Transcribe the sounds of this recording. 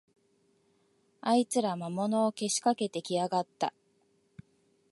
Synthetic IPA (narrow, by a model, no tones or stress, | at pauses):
ait͡sɨɾamamo̞no̞ːke̞ɕi̥kake̞t̪e̞kʲiaɡat̪ːa̰